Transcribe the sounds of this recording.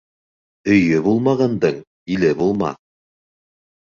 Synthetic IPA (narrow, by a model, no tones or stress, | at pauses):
ɵ̆jɵbulˠmɑʁɑnd̪ɤɴ | ilɘbulˠmɑ̰